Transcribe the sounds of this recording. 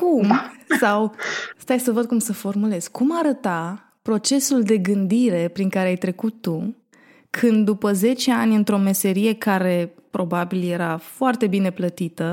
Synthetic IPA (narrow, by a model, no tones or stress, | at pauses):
kumsawst̪ajsəvəd̪̚kumsəfo̞rmule̞z̥kumaɾət̪a | pɾo̞t͡ʃe̞suld̪e̞ɡɨnd̪iɾe̞pɾiŋkaɾeajt̪ɾe̞kut̪ːu | kʰɨnd̪dːupəze̞t͡ʃe̞anʲɨnt̪ɾo̞me̞se̞ɾije̞kaɾe̞pɾo̞babilje̞ɾafoart̪e̞bine̞plət̪it̪ə